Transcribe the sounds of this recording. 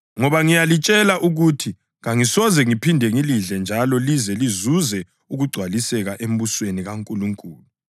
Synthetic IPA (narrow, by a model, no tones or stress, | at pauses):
ŋɔβaŋijalit͡ʃʼɛlaʔuɣutʰi | ɣaŋisɔzɛŋipʰindʱɛŋiliɮɛnd͡ʒʱalɔlizɛlizuzɛ | uɣuɡ͡ǀʱwalisɛɣaʔem̩busweniɣaŋkʼuluŋkʼuːlu